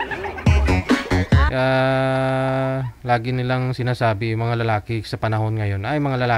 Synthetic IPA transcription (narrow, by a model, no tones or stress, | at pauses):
ʔa | laːɡɪnɪlaŋsɪnaːsaːbɪmɐŋalɐlaːkɪsɐpɐnɐho̞nŋɐjo̞nʔɐjmɐŋalɐlaː